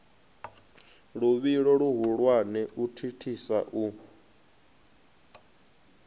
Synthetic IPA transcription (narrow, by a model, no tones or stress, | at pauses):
ɺuβiɺɔɺuɦuɺwanɛʔutʰitʰisa̰ʔu